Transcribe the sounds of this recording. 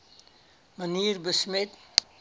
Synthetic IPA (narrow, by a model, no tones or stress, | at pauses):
məniːɾbəsmet̪